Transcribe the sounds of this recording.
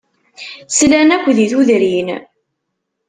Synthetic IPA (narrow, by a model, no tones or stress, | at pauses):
slænækʷːðiθuðɾin